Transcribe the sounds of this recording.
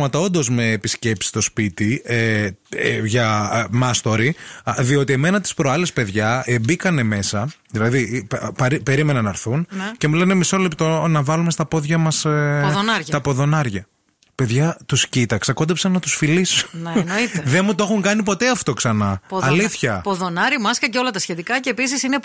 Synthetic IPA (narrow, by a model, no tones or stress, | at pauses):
mɐt̪ɐo̞nd̪o̞zme̞ːpisce̞psi̥st̪o̞spit̪ie | ʝɐmɐst̪o̞ɾiðio̞t̪ie̞me̞nɐt̪i̥spɾoɐle̞spe̞ðʝɐebikɐne̞me̞sɐðilɐðipɐɾipe̞ɾime̞nɐnɐɾθunce̞mule̞nemiso̞lept̪o̞nɐvɐlume̞st̪ɐpo̞ðʝɐmɐsðonɐɾʝɐt̪ɐpoðo̞nɐɾʝɐ | pe̞ðʝɐt̪uscit̪ɐksɐko̞d̪epsɐnːɐt̪usfilisu̥nenoiteðenmut̪oo̞xuŋkɐnipo̞t̪eɐft̪o̞ksɐnɐpːliθçɐpoðonɐɾimɐskɐceo̞lɐt̪ɐsçe̞t̪ikɐceːpisisine